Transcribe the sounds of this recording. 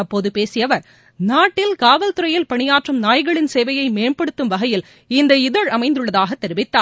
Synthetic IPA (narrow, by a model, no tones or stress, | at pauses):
ɐpːoːðɯpeːsɪjɐʋɐɾ | naːʈːɪlkaːʋɐlt̪ɯɾɐjɪlpɐɳɪjaːʈrɯmnaːjɣɐɭɪnseːʋɐjɐɪmeːɳpɐɽɯt̪ːɯmʋɐɣɐjɪl | ɪnd̪ɐɪðɐɻɐmɐɪnd̪ɯɭɐðaːɣɐt̪ːɛɾɪʋɪt̪ːaːɾ